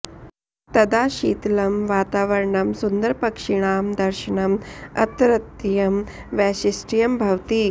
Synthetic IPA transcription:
t̪ɐd̪aːɕiːt̪lɐmʋaːt̪aːʋɐɾɳɐmsund̪əɾpɐkʂiɳ̃aːmd̪ɐɾɕəɳɐmɐ̰t̪ɾɐt̪jɐmʋæɕisʈijɐmbʱɐʋt̪iː

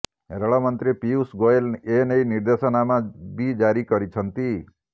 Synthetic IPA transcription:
eɾəɭamənt̪ɾipiusɡoelenəjniɾd̪esənamãbʱid͡ʒaɾikəɾit͡ʃʰənt̪i

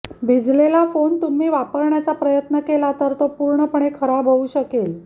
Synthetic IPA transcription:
bʱid͡zlelafont̪um̤iːʋapəɾɳjat͡sapɾəjət̪nəkelat̪əɾt̪opuɾɳəpəɳ̃ekʰəɾabʱəuːɕəkel

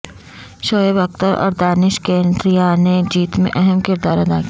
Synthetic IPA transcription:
ʃoːebɐk̚t̪əɾɔ̰ːɾd̪aːnɪʃkẽːnɖɾijaned͡ʒiːt̪mḛ̃ʔɛɦɛmkɪɾd̪aːɾɐd̪a̰ːki

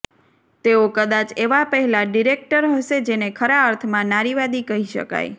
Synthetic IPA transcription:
t̪eokəd̪at͡ʃeʋapəɦɛlaɖiɾek̚ʈəɾɦəʃed͡ʒenekʰəɾaəɾt̪ʰmãnaɾiʋad̪ikəɦiʃə̰ka̰j

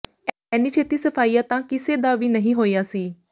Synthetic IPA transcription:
ɛːniːt͡ʃʰeːt̪iːsəpʰaːiːaːt̪ãːkɪseːd̪aːʋiːnəɦĩːɦoːijaːsiː

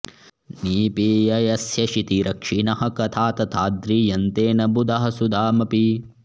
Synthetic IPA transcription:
niːpiːjɐjɐsjɐʃit̪iɾɐkʂinɐɦɐkɐt̪ʰaːt̪ɐt̪ʰaːd̪ɾiːjɐnt̪eːnɐbud̪ɐɦɐsud̪aːmɐpi

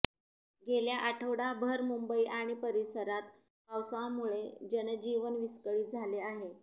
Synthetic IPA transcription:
ɡʱeljaʔaʈʰəʋɽabʱəɾmumbəiʔaɽ̃ipəɾisəɾat̪̚ | pawsãmuɭed͡ʑened͡ʑiʋənʋiskəɭiːt̪̚d͡zʱaleaɦe

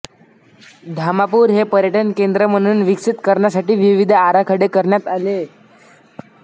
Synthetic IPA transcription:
d̪ʱamapuːɾɦepəɾjəʈənkend̪ɾəməɽ̃uːnʋiksit̪kəɾɳjasaʈiːʋiʋid̪ʱaɾakʰəɽekəɾɳjat̪ale

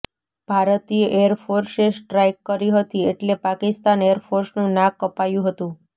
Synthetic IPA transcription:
b̥ʱaɾət̪iəʔeəɾfoɾsesʈɾajkːəɾiɦət̪ieʈlepakɪst̪anejəɾfʰoɾsnũnãkːəpajũɦət̪ũ

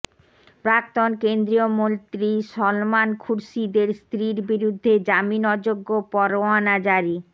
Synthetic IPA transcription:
pɾak̚t̪onkend̪ɾiomont̪ɾiʃɔlmankʰuɾʃid̪eɾst̪ɾiɾbiɾud̪ʱːed͡ʑaminɔd͡ʑoɡːopɔɾowanad͡ʑaɾi

